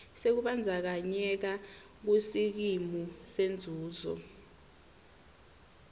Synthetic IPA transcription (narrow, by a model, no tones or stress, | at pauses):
sek̬uɓand͡zʱak̬aɲɛk̬a | k̬usik̬imusend͡zʱuːzɔ̰